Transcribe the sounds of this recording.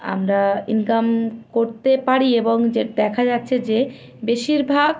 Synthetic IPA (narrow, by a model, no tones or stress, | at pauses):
a̰mɾainkamkoɾt̪epaɾieboŋd͡ʑed̪ɛkʰad͡ʑatːɕʰed͡ʑe | beʃiɾbʱaɡ